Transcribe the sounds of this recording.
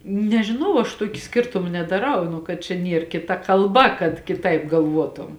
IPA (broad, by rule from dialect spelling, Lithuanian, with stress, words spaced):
nʲɛʒʲɪˈnɐʊ ɐʃ ˈtuɔkʲɪ ˈsʲkʲɪrtʊmɐ nʲɛdɐˈrɐʊ ˈnʊ kɐt t͡ʃʲɛ ˈnʲiɛr kʲɪˈtɐ kɐlˠˈbɐ kɐt kʲɪˈtɐɪp ɡɐlˠˈʋuɔtʊm